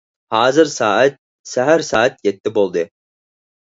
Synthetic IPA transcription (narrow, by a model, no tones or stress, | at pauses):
haːzɨɾsaːat̪̚ | sæɦæɾsaːat̪̚jɛt̪ːibolˠd̪ɯ